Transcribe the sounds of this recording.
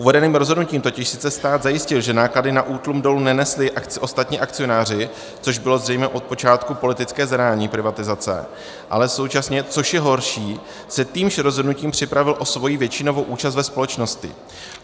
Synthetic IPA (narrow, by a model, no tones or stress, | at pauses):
ʔuvɛdɛniːmɾo̞zɦodnuciːmt̪o̞cɪʃsɪ̥t͡sɛst̪aːd̪zajɪscɪlʒɛnaːkladɪnaʔuːt̪lumdo̞lunɛnɛslɪʔakɪʔo̞st̪at̪ɲiːʔakt͡sɪjo̞naːr̝ɪ | t͡so̞ʒbɪlo̞zrɛjmɛʔo̞t̪̚po̞t͡ʃaːt̪kupo̞lɪt̪ɪt͡skɛːzɾaːɲiːpɾɪvat̪ɪzat͡sɛ̰ | ʔa̰lɛso̞wt͡ʃasɲɛt͡so̞ʃjɛɦo̞ɾʃiː | sɛt̪iːmʃɾozɦodnuciːmpr̝̥ɪpɾavɪlʔo̞svo̞jiːvjɛt͡ʃɪno̞vo̞wʔuːt͡ʃast̪vɛspo̞lɛt͡ʃno̞scɪ̰